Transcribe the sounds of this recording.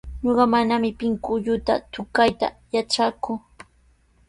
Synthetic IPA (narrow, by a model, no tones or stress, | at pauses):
ɲoɢɑmanamɪpɪŋkʊʎʊt̪a̰t̪ʊkajt̪a̰jaʈ͡ʂakʊ